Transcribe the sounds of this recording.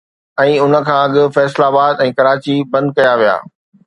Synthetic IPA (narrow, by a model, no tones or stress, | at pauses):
ɛ̃ːʊnə̆kʰãːɐɠɪ̆fɛːslaːbaːd̪ɛ̃ːkɐɾaːt͡ɕibɐ̃nd̪̚kɐjaʋija̰ː